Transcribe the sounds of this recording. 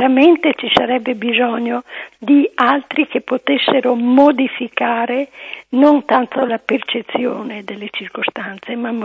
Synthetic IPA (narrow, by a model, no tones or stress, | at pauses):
ɾament̪et͡ʃisaɾɛbːebizɔɲːod̪ialt̪ɾikepːot̪esːeɾomod̪ifikaːɾenont̪ant̪olapert͡ʃet̪sːjoːned̪elːet͡ʃirkost̪ant̪semam